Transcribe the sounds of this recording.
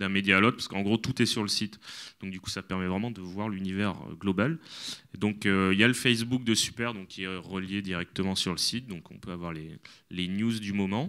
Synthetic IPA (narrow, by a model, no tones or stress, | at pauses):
d̪ɛ̃med̪jaːlot̪χpḁsəkəɑ̃ɡʁot̪ut̪ɛsyʁləsit̪d̪ɔ̃k̚d̪yku̥sapɛʁmɛvʁɛmɑ̃d̪əvwaʁlynivɛʁ̰ɡlɔbald̪ɔ̃køiljaləfɛs̬buk̚d̪əsy̥pɛʁd̪ɔ̃kʲʰːiɛʁəljed̪iʁɛk̚t̪əmɑ̃syʁləsit̪̚d̪ɔ̃kɔ̰̃pøavwaʁlelenjuzd̪ymɔmɑ̃